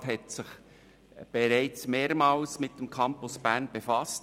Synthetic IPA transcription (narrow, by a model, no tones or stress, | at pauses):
thɛtsɪχ | b̥ɛɾæɪt͡smeːɾmɑːlsmɪt̚d̥ɛmkʰɑmpʊsb̥æːʁnb̥efɑst